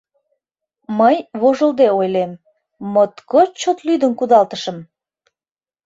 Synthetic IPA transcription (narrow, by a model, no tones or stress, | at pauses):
məjβoʒəld̪eojlemː | ot̪kot͡ɕot̪lyd̪əmkud̪ɑlt̪əʃəm